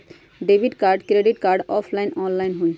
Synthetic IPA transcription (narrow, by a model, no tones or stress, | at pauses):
ɖebʱiʈkaɾɖkɾeɖiʈkaɾɖɔpʰlajnɔnlajnɦuj